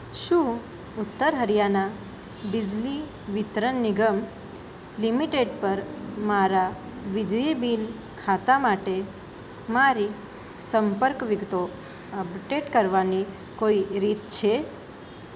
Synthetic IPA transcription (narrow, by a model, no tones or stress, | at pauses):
ʃũ | ʊt̪ːəɾɦəɾijana | bid͡ʒli | ʋɪt̪ɾənːɪɡəm | limiʈeɖpəɾmaɾa | ʋid͡ʒibin | kʰat̪amaʈe | maɾi | səmpəɾkʋɪɡt̪o | əbʈeʈkəɾʋani | koiɾit̪t͡ʃʰe